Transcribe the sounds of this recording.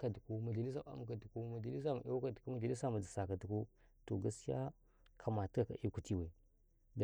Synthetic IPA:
ka˨du˨ku˦ma˨ɮa˨li˦s̬a˦a̰˦m˨ka˨du˨ku˦ma˨ɮa˨li˦s̬a˦ma˨ʔa˦wka˨dku˦ma˨ɮa˨li˦sa˦˨ma˨d͡za˨sa˨ka˨du˨ku˦ | to̰˨ɡa˦si˦ja̰˦ | kʰa˨ma˨ti˦ka˨ka̰˨ʔi˦ku˨ti˦we˨ | d

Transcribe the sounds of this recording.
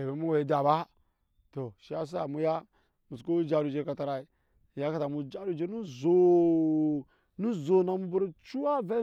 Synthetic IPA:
e˨be˨˦mu˦we˨i˨da˨ba˦ | to˨ʃi˦a˦s̬u˦a̰˨mu˦ja˦ | mu˨sko˦d͡ʒa˦ɾu˨d͡ʒe˦ka˨ta˨ɾa˨i˨ | ja˦ka˦˨ta˨mu˨d͡ʒa˦ɾu˦˨d͡ʒe˦ɾnu˦zo˨ | nu˦zo˨na˨mu˦bu˦ɾt͡ʃu˦wa˦ve˦

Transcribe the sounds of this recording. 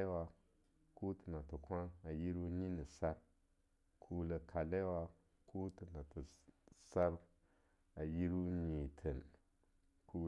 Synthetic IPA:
e˦wa˧ | ku˦tɨ˨na˨tɨ˨kʷa˦a˨ji˦ɾu˦ɲi˦nɨ˨sa˦b | kʰu˦lə˨kʰa˨le˦wa˧ | kʰu˦tɨ˨na˨tɨ˨sa˦b | a˨ji˦ɾu˦ɲĩ˨tʰə˨n | kʰu˨

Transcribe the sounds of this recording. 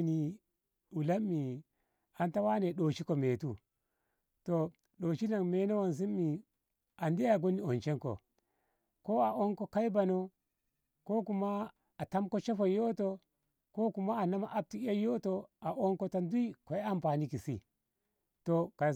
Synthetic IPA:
ni˨ | u˨la˦mːi˨ | a˨nta˦wa˦ne˨ɗo˨t͡ʃi˦ko˨me˨tu˦ | to˨ | ɗo˨t͡ʃi˦na˨ŋme˨˦na˦wo˨ns̬i˦mːi˨ | a˨nde˦a˨ɡo˦ni˨o˨nt͡ʃe˦ŋko̰˨ | ko˦a˨o˦ŋko˦ka˦i˦ba˨no˦ | ko˦ku˨maː˦˨ | ta˦mko˦t͡ʃe˦fo˨jo˦to˦ | ko˦ku˨ma˦a˨na˦ma˨ʔa˦b̚ti˨˦a˦jo˦to˦a˨ʔo˦ŋko˦ta˦ndu˦i˦ko˨˦a˦mpa˨ni˦ki˨si˦ | to˨ka˨

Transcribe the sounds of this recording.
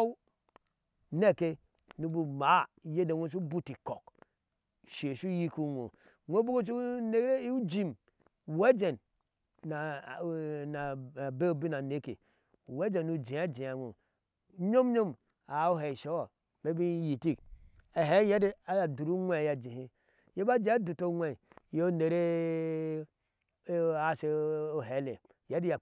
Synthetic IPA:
w | ne˦˨ke˦ | nu˦bu˨ma˨˦˨je˦de˨wʷo˦s̬u˦bu˦ti˨ko˨k | ʃe˨ʃu˦ji˦ku˦ŋʷo̰˨ | nʷo˦bo˦ɡo˦t͡ʃu˦ne˦kɾe˦i˦u˦d͡ʒi˦m˨ | we˦d͡ʒe˨n | na˨ | na˨be˦˨bi˦na˨ne˦kḛ˨ | we˦d͡ʒe˨nu˨d͡ʒi˨a˦d͡ʒi˨a˨ŋʷo̰˨˦ | ɲo˦m˦ɲo˦m | a˨o˦ɦe˨ʃo˦wo˨ | me˦bi˦ji˨ti˦k | e˨ɦe˦je˦di˦a˦ja˨du˨ɾu˦ŋʷe˦˨ja˨d͡ʒi˨ɦi˦ | je˦ba˦d͡ʒi˦a˦du˨to˦ŋʷe˨je˦o˦ne˨ɾe˦ | a˨se˨o˨ɦe˨˦le˨ | je˦di˦ja˨

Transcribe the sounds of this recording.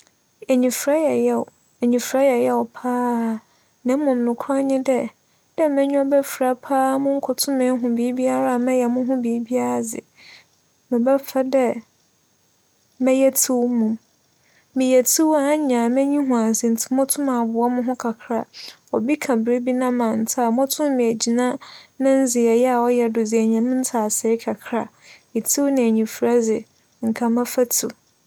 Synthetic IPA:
ɛ˨ɲĩ˨fɾa˦jɛ˨jɛ˦˨ | ɛ˨ɲĩ˨fɾa˦jɛ˨jɛ˦ɔ˨pʰaː˦˨ | nã˨m˦mʊ̃˨m̩˨nʊ̃˨kʰɔ˦ɲɪ̃˦dɛ˦ | d̥ɛ˦mɛ̃˦ɲᶣũ˦ɔ˦bɛ˦fɾa˨pʰaː˦mʊ̃˦ŋ̩˦kʰʊ˨tʰʊ̃˦mɪ̃˨˦ɦʊ̃˨bi˨˦bi˦a˦ɾa˦˨mɛ̃˦jɛ˨mʊ̃˦ɦʊ̃˦bi˨˦bi˦a˦ɾa˨d͡zɪ̰˨ | mɪ̃˨bɛ˦fa˦dɛ˦ | mɛ̃˦jɛ˦tʰu˦wmʊ̃˨m | mɪ̃˨jɛ˨tʰu˦wa˦ɲã˨mɛ̃˦ɲĩ˦ɦʊ̃˨ã˨sɪ˨n̩˨tʰɪ˨˦mʊ̃˦tʰʊ̃˦mã˨bʊ˨ɔ˦mʊ̃˦ɦʊ̃˦kʰa˨kʰɾa˨ | ɔ˨bi˦kʰã˨bɾe˦bi˦nã˦mã˨n̩˨tʰa˦˨mʊ̃˦tʰʊ̃˦m˦mĩ˨æ˨d͡ʑi˨nã˦nã˦n̩˦d͡zɪ˨ɛ˨jɛ˦a˨ɔ˦jɛ˦dʊ˨d͡zɪ˨æ˨ɲã˨mʊ̃˦n̩˦tʰa˨sɛ˨˦ɪ˦kʰa˨kʰɾa˨ | i˨tʰi˦wnɪ̃˨æ˨ɲĩ˨fɾa˦d͡zɪ˨ | ŋ̩˨kʰã˨mã˦fa˦tʰu˨

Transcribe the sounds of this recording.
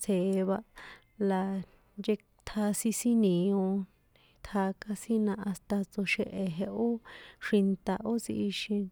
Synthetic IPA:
t͡sʰe˨˧βa˧ | la˧ | nd͡ʒe˧ | t̪ʰa˧si˧sĩ˦nĩ˨õ˧ | t̪ʰaː˧ka˧si˦nã˧a˧st̪a˧t͡so˧ʃe˧ʔe˨ɦe˧ʔo˦ʂi˧nt̪a˧ʔo˦t͡si˧ʔi˧ʃĩ˧

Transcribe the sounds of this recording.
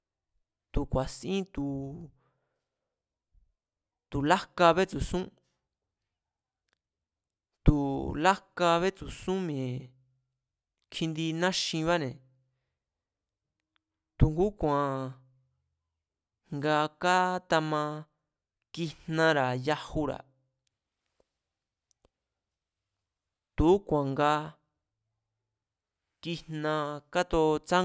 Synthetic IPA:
t̪u˨kʷa˨sĩ˦t̪u˨ | t̪u˨la˦ka˧βe˦t͡su˨sũ˦ | t̪u˨la˦ka˧βe˦t͡su˨sũ˦mẽ˨ | kʰi˧nd̪i˧nã˦ʃĩ˧βa˦nẽ˨ | t̪u˨ŋɡu˦kʷã˨ | ŋɡa˧ka˦t̪a˧mã˧ | ki˧n̥nã˧ɾa˨ja˧hu˧ɾa̰˨ | t̪u˨˦kʷã˨ŋɡa˧ | ki˧n̥nã˧ka˦t̪o˧t͡sa˦

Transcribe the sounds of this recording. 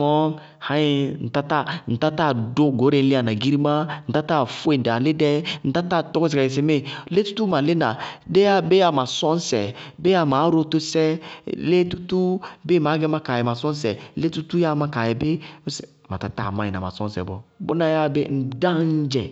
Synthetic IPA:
ɔ˦ | hã˦ji˦n̩˨ta˦ta˦˨n̩˨ta˦ta˦˨do˦ɡo˨˦ɾe˨˦n̩˦le˦a˨na˨ɡi˦ɾi˦ma˦n̩˨ta˦ta˦˨fo˦e˨n̩˨da˨le˦dɛ˦n̩˨ta˦ta˦˨tɔ˦kɔ˦s̬e˨ka˨e˨s̬e˨me˦le˦tu̥˦tu˦ma˨le˦na˨de˦ja˦be˦ja˨ma˨sɔ˦n˦sɛ̰˨be˦a˨ma˨˦ɾo˦to˦sɛ˦le˦tu˦tu˦be˦˨ma˨˦ɡɛ˦ma˦ka˨jɛ˨ma˨sɔ˦n˦sɛ˨le˦tu˦tu˦ja˦ma˦ka˨jɛ˨be˦sɛ˨ | ma̰˨ta˦ta̰˦˨mã˨˦ji˨na˨ma̰˨sɔ̃˦n˦sɛ̰˨bɔ̰˨bo̰˦na˦ja˦be˦n̩˨da˦n˦d͡ʒɛ̰˨

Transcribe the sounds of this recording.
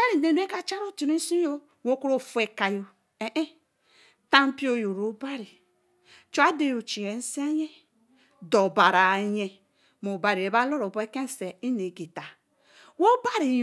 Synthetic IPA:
e˦ɾi˨ne˨n˦e˦ka˦t͡ʃa˦ɾo˦ti˨ɾi˦si˦o˦ | wo˦ko˦ɾo˦˨fu˨˦e˨ka˨jo˨ | e˨ʔe˦ | ta˦m˦pi˦o˦jo˨ɾo˨˦ba˦ɾi˨ | t͡ʃu˦a˦de˦jo˨t͡ʃi˨ɾe˨˦n̩˦sa˦je˦ | do˨ba˨ɾa˨ɲe˨ | mo˨ba˨ɾi˨e˨ba˦lo˦ɾo˨be˦ke˦n˨se˨i˦ne˨ɡi˨ta˨ | wo˦ba˦ɾi˨

